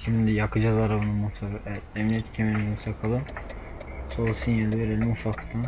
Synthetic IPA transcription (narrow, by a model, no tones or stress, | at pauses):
ʃimd̪ijakʰɯd͡ʒazaɾabɯnamut̪ʰakɛmliɛt̪cʰemelʲinmut̪ʰakʰalˠɯ | solˠsinjalʲiveɾelʲimufakt̪ʰan